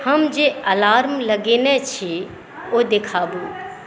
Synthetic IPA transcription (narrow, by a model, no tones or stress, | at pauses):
həmd͡ʒeːəlaːɾmləɡeːnɛt͡ʃʰi | oːd̪ekʰaːbuː